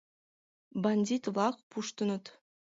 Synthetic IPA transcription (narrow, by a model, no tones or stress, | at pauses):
banʲd̪ʲit̪vlˠɑk̚pʰuʃt̪unut̪